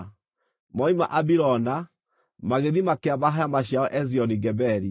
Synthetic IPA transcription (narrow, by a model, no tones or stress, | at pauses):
mɔima̰ʔabiɾɔna | maɣeðimakeaβaɦajamaɕjaɔʔɛziɔniɡɛbɛɾi